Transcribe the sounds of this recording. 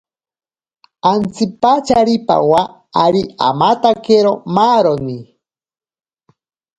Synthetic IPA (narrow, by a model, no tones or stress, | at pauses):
ant͡sipat͡ʃaɾipa̰waː | ɾia̰mat̪akeɾomaɾoni